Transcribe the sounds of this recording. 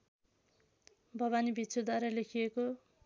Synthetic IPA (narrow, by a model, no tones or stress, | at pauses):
bʱʌβanibʱit̪t͡sʰod̪ʱwaɾʌlekʰieko